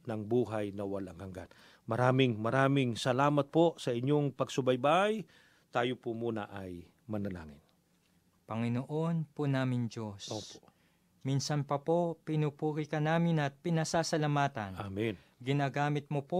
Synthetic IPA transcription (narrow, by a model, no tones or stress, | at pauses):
nɐŋbuːɦajnɐwɐlaŋhɐŋɡa̰n | mɐɾaːmɪŋmɐɾaːmɪŋsɐlaːmɐt̪̚posɐʔɪɲjoŋpɐɡsʊbɐjbaj | t̪aːjopʊmuːnɐ̰ʔɐj | mɐnɐla̰ːŋɪn | pɐŋɪnoʔo̞npʊnaːmɪnd͡ʒosopo | miːnsɐnpɐpopɪnupuːkɪkɐnaːmɪnɐt̪̚pɪnɐsaːsɐlɐmaːt̪ɐnamin | ɡɪnaːɡaːmɪt̪̚mopo